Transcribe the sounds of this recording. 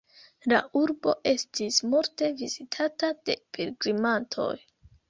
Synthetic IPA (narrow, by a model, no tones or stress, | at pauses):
la̰ʔuɾbo̞ʔe̞stismuɾte̞vizitʰatad̥e̞pʰeɾɡɾimantʰo̞̰j